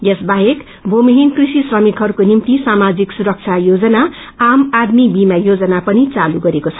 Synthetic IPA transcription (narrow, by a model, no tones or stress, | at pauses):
jesbaɦek | bʱomiɦinkrisisrʌmikɦʌɾukonimt̪isamad͡ziksuɾʌk̚t͡sʰajod͡zʌna | amad̪mibimajod͡zʌnapʌnit͡saluɡʌɾekot͡sʰʌ̥